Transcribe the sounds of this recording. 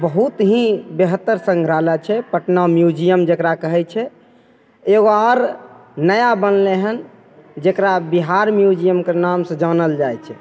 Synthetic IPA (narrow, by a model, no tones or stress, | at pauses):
bəɦut̪ɦĩbeɦət̪ːəɾsə̃ŋɡʱɾalat͡ʃʰɛpəʈnamjud͡ʒijəmd͡ʒekɾakəɦɛt͡ʃʰɛ | eɡoɔɾnəjabənleɦən | d͡ʒekɾabiɦaɾmjud͡ʒijəmkəɾnamsə̃d͡ʒanəld͡ʒajt͡ʃʰɛ